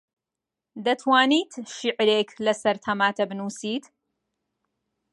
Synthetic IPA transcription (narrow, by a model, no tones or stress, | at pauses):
d̪ɐt̪ʰwaːniːt̪ʃiʕɾekʰlɐsɐɾt̪ʰɐmaːt̪ʰɐbɨnuːsiːt̪